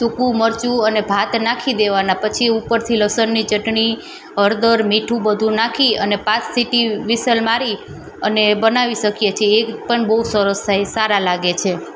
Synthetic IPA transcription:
t̪ukũməɾt͡ʃuənebʱat̪nakʰid̪eʋanapət͡ʃʰiupəɾt̪ʰiləsənːit͡ʃəʈɳi | əɾd̪əɾmiʈʰũbəd̪ʱũnakʰiənepãt͡ʃsiʈiʋisəlmaɾi | ənebənaʋiʃəkjet͡ʃʰeːpəɳbəusəɾəst̪ʰajsaɾalaɡet͡ʃʰe

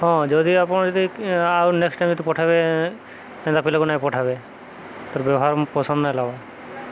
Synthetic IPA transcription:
ɦɔ̃d͡ʒɔd̪iapɔɽ̃d͡ʒɔd̪iawneksʈaj̃md͡ʒod̪ipɔʈʰabe | ɛd̪apilɔkunaĩpɔʈʰabe | t̪ɔɾbjɔbɔɦaɾpɔsɔ̃nd̪nalaba

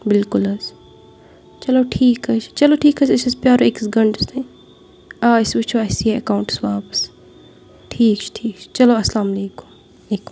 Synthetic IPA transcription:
bɪlkʊlɐs | t͡ʃɐloːʈʰiːkɐʃʰt͡ʃɐloːʈʰiːkɐsɐsɐspjaːɾoeksɡɐɳɖst̪e | aːɪsʋɪt͡ʃʰoɐsieɐkaːwɳʈsʋaːpɐ̥s | ʈʰiːkt͡ʃʰʈʰiːkt͡ʃʰt͡ʃɐloːɐslaːmɐleːkʊ̥m | leːkʊ̥m

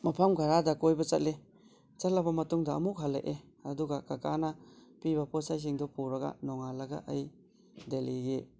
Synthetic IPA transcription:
mapʰamɡʱaɾadakojbɐt͡ʃɐt̚le | t͡ʃat̚labamɐtuŋdaɐ̰muk̚ɦalːḛʔe | ɐduɡakakanapibapʰɔsajs̬iŋdɔpuɾɐɡa̰nɔŋalɐɡa̰ʔaj | deliɡe

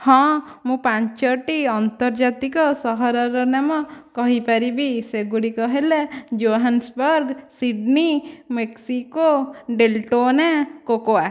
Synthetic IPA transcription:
hɔ̃mũpaɲt͡ʃɔʈiɔnt̪ɔɾd͡ʒat̪ikɔsɔɦɔɾɔɾɔnamɔkɔɦipaɾibiseɡuɽikɔɦeled͡ʒoɦansbɔɾɡsiɖnimeksikoɖelʈonakokowa

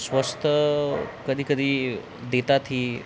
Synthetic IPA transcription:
sʋəst̪ʰəkəd̪ʱiːkəd̪ʱiː | d̪et̪at̪ɦiː

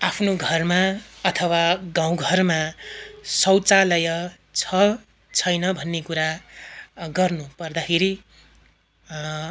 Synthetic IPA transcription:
apʰnoɡʱʌrmaʌt̪ʰʌwaɡãw̃ɡʱʌrma | sʌwt͡salʌjʌ | t͡sʰʌ | t͡sʰʌjnʌbʱʌnːekuɾa | ɡʌrnupʌrd̪akʰeɾi

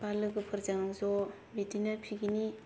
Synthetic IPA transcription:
palɯɡɯpʰɯɾzaŋzɔ | bidinapʰiɡini

